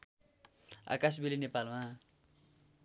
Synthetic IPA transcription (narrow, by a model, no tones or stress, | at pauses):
a̰kas̬bilinepalma